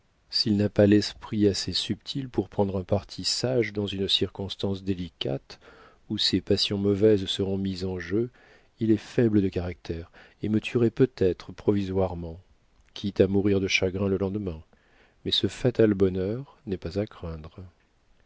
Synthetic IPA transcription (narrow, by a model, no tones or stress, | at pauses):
silnapalɛspχiasesypt̪ʰilpuʁpχɑ̃d̪ʁɛ̃paʁt̪ʰisaʒd̪ɑ̃zynsiʁkɔ̃st̪ɑ̃sd̪elikat̪ | usepasjɔ̃mɔvɛzsəʁɔ̃mizɑ̃ʒø | ilɛfɛbləd̪əkaʁak̚t̪ʰɛʁ | emət̪ʰyʁepøt̪ɛt̪χəpχɔvizwaʁmɑ̃ | kʲʰit̪amuʁiʁd̪əʃaɡʁɛ̃ləlɑ̃d̪mɛ̃ | mɛsəfat̪albɔnœʁnɛpazakχɛ̃d̪ʁ